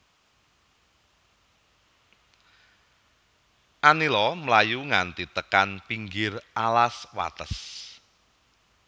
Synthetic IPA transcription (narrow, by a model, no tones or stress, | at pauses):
ʔanilɔməlajuŋant̪it̪əkanpiŋɡɪrʔalaswa̰t̪ə̰s